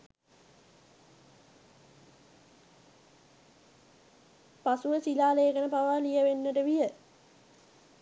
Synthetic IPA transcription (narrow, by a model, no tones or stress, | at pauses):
pasuʋəsilaːlejːkənəpaʋaːlijəʋenːəʈəʋijə